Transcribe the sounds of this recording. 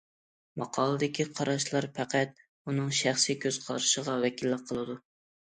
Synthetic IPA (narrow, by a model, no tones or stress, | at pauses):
mɑqʰɑlˠɨd̪ɪkʲʰiqʰɑɾɑʃlˠɑɾpʰæqæt̪̚ | unɨŋʃæχsikʲʰøz̥qʰɑɾɨʃəʁɑvɛkʲilːɪqʰəlˠɨd̪u